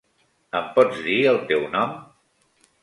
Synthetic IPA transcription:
əmpɔd͡zðiəlˠt̪ewnɔm

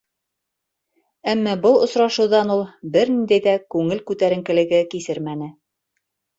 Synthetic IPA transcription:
æmːɑbɤlˠŏsɾɑʃɤ̆wðɑnulˠbɘɾnind̪æjðækʉŋɘlkʉt̪æɾɘ̆ŋkɘ̆lɘ̆ɡɘkisɘɾmænɘ

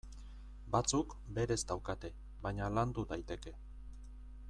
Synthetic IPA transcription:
bat͡suk | be̞ɾe̞zd̪awkat̪e̞ | βaɲaland̪udajt̪e̞ke̞

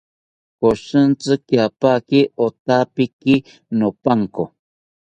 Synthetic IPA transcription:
koʃɨnt͡sɨkjapakiot̪apiki | nopaŋko

